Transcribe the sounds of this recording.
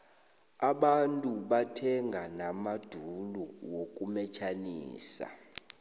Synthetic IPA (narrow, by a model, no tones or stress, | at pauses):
aɓantʼuɓatʰɛŋʱanamad̥ʱuluwok̬ʼumɛt͡ʃʰanḭːsa̰